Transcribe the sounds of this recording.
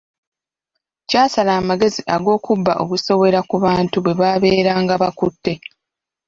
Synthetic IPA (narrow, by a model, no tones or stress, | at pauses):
caːsalaːmaɡe̞ziʔaɡo̞ːkubːaʔo̞̰βuso̞βe̞ɾakuβaːntuβwe̞βaːβe̞ːɾaːŋɡaβakutːe̞